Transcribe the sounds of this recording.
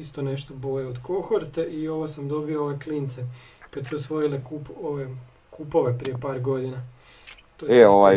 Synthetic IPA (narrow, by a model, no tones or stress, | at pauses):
ist̪o̞ne̞ʃt̪obo̞jeod̪ko̞xoɾt̪eʔio̞ʋosamd̪o̞biooʋekliːnt̪se | kad̪suosʋo̞ilekupoʋe | kupo̞ʋe̞pɾijepaːɾɡo̞d̪ina | t̪oeoʋa